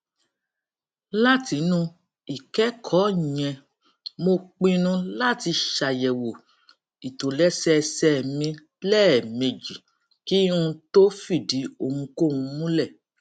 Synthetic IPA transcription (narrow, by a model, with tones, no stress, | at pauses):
la˦ti˧˦nũ˦ | i˨kɛ˨˦kʰɔ˨˦˨ɲɛ̃˨ | mo˧k͡pĩ˧nũ˧˦la˦˨ti˧ʃa˨jɛ˨wo˨ | i˨to˨lɛ˦sɛ˦˧sɛ˦˨mĩ˧ | lɛ˦ɛ˨me˨d͡ʒi˨ | ki˦ũ˧to˦fi˦˨di˨˦o˧˨hũ˧ko˦˨ũ˧mũ˦lɛ˦˨